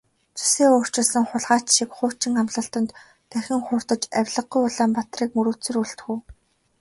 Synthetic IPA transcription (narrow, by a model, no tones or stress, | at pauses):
t͡sʰu̥seːoːr̥t͡ɕɪ̆ɮsə̆ŋχʊɮʁaːt͡ɕʃikχʊːt͡ɕɪ̆ŋamɮə̆ɬt̪ə̆nt̪ː | æxʲɪ̆ŋχʊːr̥t̪ə̆t͡ɕæwʲɮə̆q̚ɡujʊɮaːmpat̪riːkmɵɾuːt͡sɘ̆ruɮt̪xuː